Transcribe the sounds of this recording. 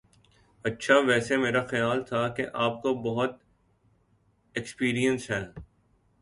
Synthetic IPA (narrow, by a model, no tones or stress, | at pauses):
ɐtːʃʰaʋɛːsemeːɾaxɐjaːlt̪ʰakeʔaːp̚kobɐɦʊt̪̚ | ekspiːɾijə̃nsɦɛː